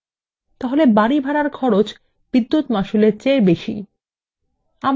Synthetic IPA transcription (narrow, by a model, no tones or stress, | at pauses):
t̪aɦolebaɽibʱaɽaɾkʰɔɾot͡ɕ | b̥id̪ːut̪maʃuleɾt͡ɕeɾbeʃḭ | am